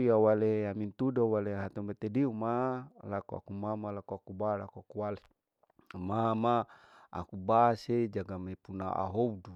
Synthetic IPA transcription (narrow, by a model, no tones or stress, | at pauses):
jawaleamint̪udawaleɦat̪ɔmbɛt̪ediumalakua̰kumamalakuakubalakuakuwale | mama | a̰kubased͡ʒaɡamepunaa̰ɦoudu